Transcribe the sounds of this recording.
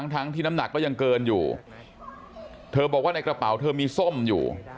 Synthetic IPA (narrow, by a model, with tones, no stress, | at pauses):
ŋt̪ʰa˦˥ŋt̪ʰiː˥˩na˦˥mna˨˩kːɔː˥˩ja˧ŋkɤː˧njṵː˨˩ | t̪ʰɤː˧bɔː˨˩k̚waː˥˩na˧jkɾa˧pa˩˦wt̪ʰɤː˧miː˧so˥˩mjṵː˨˩